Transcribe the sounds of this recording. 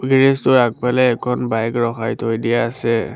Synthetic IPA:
ɡɹestʊɹak̚palɛːkʰɔnbajkɹɔxajtʰojdijaːsɛ

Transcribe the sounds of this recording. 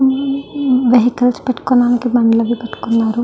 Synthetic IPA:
ʋeɦikɐlspeʈːkonaːnikibɐnlɐʋipeʈːu̥kunːaːɾu

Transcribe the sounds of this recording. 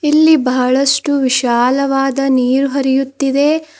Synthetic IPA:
ilːibɐɦɐɭɐʂʈuʋiʃaːlɐʋaːd̪ɐniːɾuɦɐɾijut̪ːid̪e̞

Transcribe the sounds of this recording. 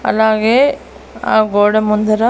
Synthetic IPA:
ɐ̰laːɡeː | a̰ːɡoːɽɐmund̪ɐɾɐ

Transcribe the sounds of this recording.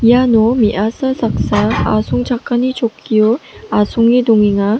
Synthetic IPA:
ianomiʔasʰasʰak̚s͈aa̰sʰuŋt͡ɕak͈aɲit͡ɕokʰːioasʰuŋidoŋiŋa

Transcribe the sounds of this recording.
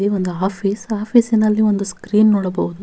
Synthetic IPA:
io̞nd̪uaːpʰiːsaːpʰisinɐlːio̞nd̪uskɾiːnːoːɽɐbɐɦud̪u

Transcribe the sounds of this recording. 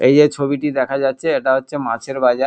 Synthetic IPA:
ejd͡ʑet͡ɕʰobiʈid̪ɛkʰad͡ʑatːɕʰeeʈaɦotːɕʰemãt͡ɕʰeɾbad͡ʑa

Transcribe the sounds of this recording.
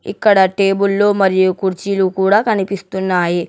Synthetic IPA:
ḭkːɐɽɐʈeːbulːo̞ːmɐɾijukuɾt͡ʃilukuːɽaːkɐnipist̪unːaːji

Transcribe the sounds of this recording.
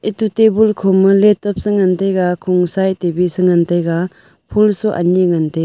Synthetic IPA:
itutebulkʰɔmːɯletɔp̚sɯŋantajɡakʰɔŋsajtebisɯŋantajɡa | pʰulsuʔa̰niŋantej

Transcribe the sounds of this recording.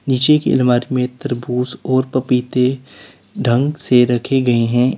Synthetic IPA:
niːt͡ʃekḛɪ̰lmaːɾimẽt̪ɐɾbuːsɔːɾpɐpiːt̪e | ɖʱɐ̃ŋɡseɾɐkʰeɡɐeɦɛ̃ː

